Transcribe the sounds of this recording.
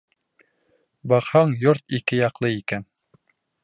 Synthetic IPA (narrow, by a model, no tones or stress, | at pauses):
bɑqhɑɴjoɾt̪ikɘjɑqlˠɤikæn